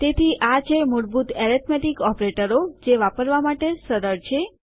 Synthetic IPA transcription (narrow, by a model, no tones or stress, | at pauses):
t̪et̪ʰiʔat͡ʃʰeməɾbut̪ɛɾit̪ʰmeʈikɔpɾeʈəɾod͡ʒeʋapəɾʋamaʈesəɾəɾt͡ʃʰe